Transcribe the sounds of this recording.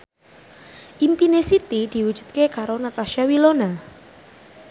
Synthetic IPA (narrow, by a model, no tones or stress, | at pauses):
ʔimpinesit̪id̪̥i̤wud̥ʒ̥ṳ̥d̪̚kekaɾonat̪aʃiawilona